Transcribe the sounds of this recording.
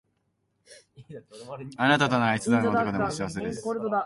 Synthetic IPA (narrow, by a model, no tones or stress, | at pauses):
anat̪at̪onaait͡sɨd̪anotokod̪emoɕiβase̞d̪es